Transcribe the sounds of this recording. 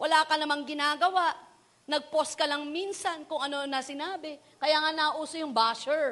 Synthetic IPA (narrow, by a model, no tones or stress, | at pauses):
wɐlaːkɐnɐmaŋɡɪnaːɡɐwaʔ | nɐɡ̚poskɐlɐŋminsɐnkʊŋʔɐno̞nɐsɪnaːbɪ | kɐjaŋanɐʔuːsojʊŋbaːʃɛɹ